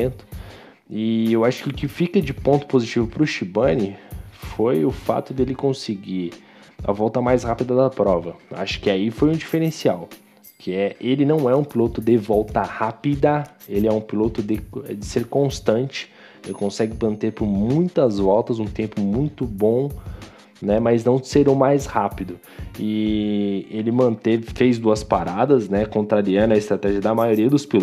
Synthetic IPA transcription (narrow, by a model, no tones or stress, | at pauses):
t̪ʊ̥ | ɪewaʃʊ̥kɪʊkɪfikɐd͡ʒɪpõnt̪ʊ̥pozit͡ʃivʊpɾʊʃibɐ̃nɪfojʊfa̰t̪ʊd̪elɪkõsɪɡiɾ | ɐ̰vɔwt̪ɐmajshapid̪ɐd̪ɐpɾɔvɐa̰ʃʊ̥kɪaifojũd͡ʒifeɾẽsiaw | kʰɪɛelɪnɐ̃w̃ɛũpilot̪ʊd̪ɪvɔwt̪ɐhapid̪ɐ | elɪɛũpilot̪ʊd̪ɪd͡ʒ̪ɪseɾkõst̪ɐ̃nt͡ʃɪ̥ | elɪkõsɛɡʊmɐ̃nt̪eɾpʊɾmũj̃t̪ɐzvɔwt̪ɐzũt̪ẽmpʊmũj̃t̪ʊbõ | nɛmɐjznɐ̃w̃seɾɐ̃w̃majshapid̪ʊ | ɪ | elɪmɐ̃nt̪evɪfejzd̪uɐspaɾad̪ɐznɛkõnt̪ɾaɾiɐ̃d̪ʊɐɪst̪ɾat̪ɛʒiɐd̪ɐmajoɾiɐd̪ʊspil